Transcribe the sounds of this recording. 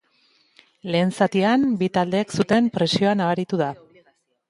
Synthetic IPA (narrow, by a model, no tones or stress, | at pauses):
le̞ːnsat̪iambit̪ald̪e̞ːksut̪e̞mpɾe̞sio̞anaβaɾit̪uða